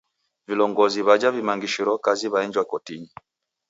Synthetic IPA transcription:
vilɔŋɡɔziβad͡ʒavimaŋɡiʃiɾɔkaziβaɛɲd͡ʒwakɔtiɲi

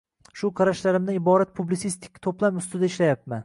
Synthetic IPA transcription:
ʃʊqʰɑɾaʃlaɾɪmd̪aɪbɒɾat̪̚pʰublɪt̪sist̪ʰɪ̥kʲt̪ʰoplˠapʊst̪ʊd̪aɪʃlajap̚man

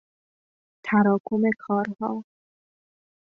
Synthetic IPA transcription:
t̪ʰæɾɒːkʰomekʰɒːɾhɒː

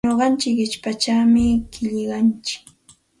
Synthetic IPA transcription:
oɢɑnt͡ʃɪkɪt͡ʃpat͡ʃawmɪkɪʎɢɑnt͡ʃɪ̥k

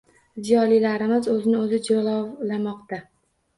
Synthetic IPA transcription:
zijɒlilaɾɪmɪzɵzɪnɪɵzɪd͡ʒolɒwlamɒqt̪a

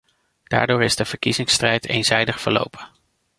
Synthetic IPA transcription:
d̥a̰ːɹdʊːɹɪzdəv̥əɹkizɪŋstrɛjtʰejnzɛjdəχfəɹlo̰wpʰən

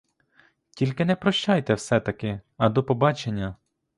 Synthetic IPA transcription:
tʲilʲkɪnɛpɾɔʃt͡ʃajt̪ɛwsɛt̪ɐkɪɐd̪ɔpɔbɑt͡ʃenʲːɐ

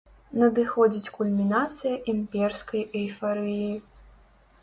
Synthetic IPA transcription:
nɐd̪ɨxɔd͡zʲit͡sʲkulʲmʲinat̪sɨjɐʔimʲpʲɛrskɐjɐjfaɾɨji

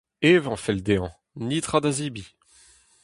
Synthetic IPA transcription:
eːvɑ̃fɛld̪eɑ̃ | nit̪χad̪azibi

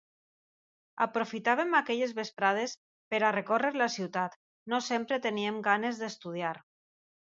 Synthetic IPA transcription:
a̰pɾofit̪aβ̞emakeʎezβespɾað̞es | peɾarekoreɾlasiwt̪at̪ | nosempɾet̪eniemɡanezðest̪uð̞iaɾ

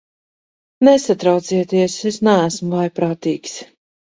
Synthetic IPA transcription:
nesat̪ɾawt̪siɛt̪iɛsesnææsmʊvajpɾaːt̪iːks

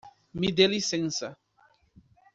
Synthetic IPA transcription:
mid̪elisɛ̃nsa

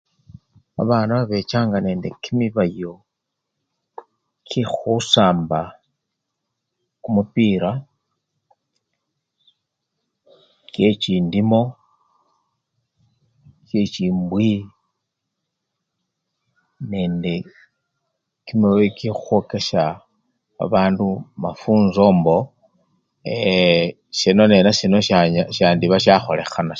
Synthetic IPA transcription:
a̰βaːnaβaβe̞t͡ʃaːŋɡane̞ːnde̞̰kimiβajo̞ | kʰixusaːmba | kumupiːɾa | cet͡ʃiːndimo̞ | t͡ʃet͡ʃiːmbwi | ne̞ːnde̞ | kimewekixu̥xo̞ke̞ʃa | a̰βaːndumafuːnzo̞ːmbo | e | ʃenone̞naʃinoʃaʃaːndiβaʃaxo̞le̞xana

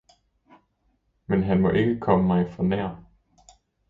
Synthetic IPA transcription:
menɦænmɒ̽ʔe̝ɡ̥əkʰɒ̽məmɑ̈ɪfɒnæɐ̰

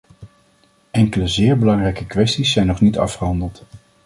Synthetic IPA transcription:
ʔɛŋkələzɪːɹbəlɑŋrɛjkəkʋɛstisːɛjnɔχnitɑ̰fχəɦɑndəlˠt

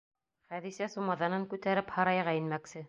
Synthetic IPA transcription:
χæðisæsumɑðɑnɤŋkʉt̪æɾɘphɑɾɑjʁɑinmæksɘ

